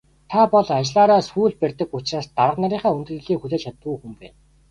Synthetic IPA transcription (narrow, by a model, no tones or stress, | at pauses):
t̪ʰapɔɮat͡ɕɪɮaːɾaːsuːɮpærʲt̪ə̆kʊt͡ɕraːst̪aɾə̆qnaɾiːɴχæːunt̪̆ɘ̆ɮiːŋxuɮeːt͡ɕʰat̪uːxumpæ̰ːn